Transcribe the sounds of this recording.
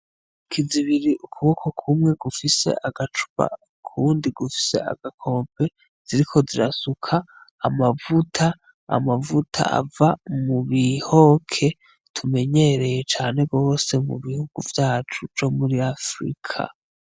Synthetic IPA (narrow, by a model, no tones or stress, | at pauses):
kʰiziβiɾiʔukʰuβo̞kʰo̞kʰumŋe̞ɡufise̞̰ʔaɡat͡ʃu̥βa̰ | kʰundiɡufi̥se̞̰a̰ɡ̥akʰo̞ːmpʰe̞ | z̥iɾikʰo̞ziɾasukʰaːmavutʰa̰ː | mavutʰa̰ʔa̰vamuβiho̞kʰe̞ | tʰume̞ɲe̞ɾe̞je̞t͡ʃaːne̞ɡo̞ːse̞mṵβihuɡ̥uvjaːt͡ʃuvd͡ʒo̞muɾiafɾḭkʰa̰